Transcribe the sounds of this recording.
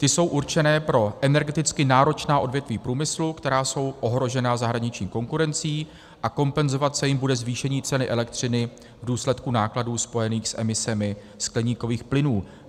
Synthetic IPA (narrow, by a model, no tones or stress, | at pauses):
t̪ɪso̞wʔuɾt͡ʃɛnɛːpɾo̞ʔɛnɛɾɡɛt̪ɪt͡skɪnaːɾo̞t͡ʃnaːʔo̞dvjɛt̪viːpɾuːmɪslukt̪ɛɾaːso̞wʔo̞ɦɾo̞ʒɛnazaɦɾaɲɪt͡ʃɲiːko̞ŋkuɾɛnt͡siː | ʔako̞mpɛnzo̞vat̪sɛjɪmbudɛzviːʃɛɲiːt͡sɛnɪʔɛlɛk̚t̪r̝̥ɪnɪ | vduːslɛt̪kunaːkladuːspo̞jɛniːxsʔɛ̰mɪsɛmɪ | sklɛɲiːko̞viːxplɪnuː